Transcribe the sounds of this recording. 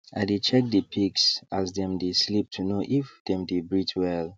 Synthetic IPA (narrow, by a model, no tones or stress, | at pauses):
a̰ɪdet͡ʃɛk̚dəpʰiksazdɛ̃mdeslip̚tʰunoʔifdɛ̃mdebɹitʰwɛl